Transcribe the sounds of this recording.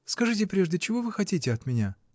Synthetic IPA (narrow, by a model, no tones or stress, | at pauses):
skɐʐɨtʲɪpɾʲe̞ʐdʲɪt͡ɕɪvo̞vɨxɐtʲitʲɪɐt̪mʲɪnʲa